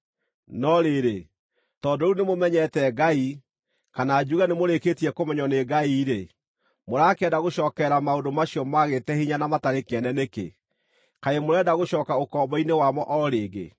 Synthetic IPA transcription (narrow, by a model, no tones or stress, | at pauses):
nɔɾeɾe | tɔdounemomɛɲɛtɛɡai | kanad͡ʒuɣanemoɾeketiɛkomɛɲɔneɡaiɾe | moɾakɛdaɣoɕɔːkɛɾamaodomaɕiɔmaɣetɛhiɲanamataɾekɛnɛnekḛ | kaemoɾɛdaɣoɕɔːkaokɔbɔinewamɔʔɔɾeːɡḛ